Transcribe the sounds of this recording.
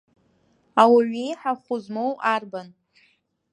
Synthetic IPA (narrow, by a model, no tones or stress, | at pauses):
awaɥijħaχʷʊzmowarban